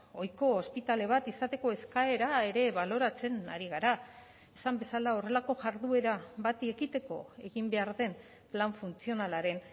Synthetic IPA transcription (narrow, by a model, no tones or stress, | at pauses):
o̞jko̞ːspit̪ale̞β̞at̪isat̪e̞ko̞e̞skaeɾae̞ɾe̞βalo̞ɾat͡se̞na̰ɾiɣaɾa | esambe̞salao̞re̞lako̞ʝaɾðue̞ɾaβat̪eɣit̪e̞ko̞̰e̞ɣimbe̞aɾðe̞n | plaɱfunt͡sio̞nalaɾe̞n